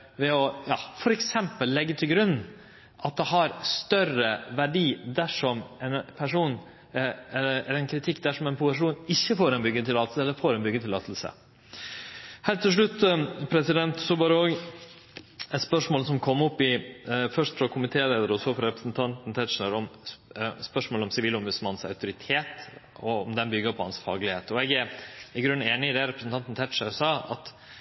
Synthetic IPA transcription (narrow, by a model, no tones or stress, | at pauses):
ʋɛɔjɑːfɔɾɛksɛmpəlːɛɡːət̪ʰɪlɡɾʉnː | ʔɑt̪̚d̪ɛɦɑɾst̪œrəʋæɖiːd̪æʂɔmɛnpʰæʂuːn | ɛlɛɾɛnkʰɾɪt̪ʰɪkːd̪æʂɔmɛnpʰʊəʂ̬uːnɪçːəfoːɾɛnbʏɡːət̪ʰɪlːɑːt̪əsəɛlːəɾfoːɾɛnbʏɡːət̪ɪlːɑ̰ːt̪ʰlsə̰ | hælt̪ʰːɪlʂ̬ɭʉt̪ːpʰɾɛsɪd̪ɛnt̪sɔbɑːɾəoːɡ | ɛt̪spœʂmoːlsɔmkʰɔmːɔpːɪfœʂʈ̪fɾɑkʰʊmɪt̪ʰeːleːd̪əɾəɔsɔfɾɑɾɛpɾəsn̩t̪ʰɑnt̪n̩t̪ʰɛt̪ʂəɾɔm | spœʂmoːlɔmsɪʋiːlɔmʋʉd̪smɑnsɑ̰ʉt̪ʊɾɪt̪ʰeːt̪ | ɔɔmd̪ɛnbʏɡːəpʰɔhɑnsfɑ̰ːɡlɪheːt̪ɔɛɡæɾɪɡɾʉnːeːnɪɪd̪ɛɾɛpɾəsn̩t̪ɑnt̪n̩t̪ʰɛt̪ʂəɾsɑːɑt̪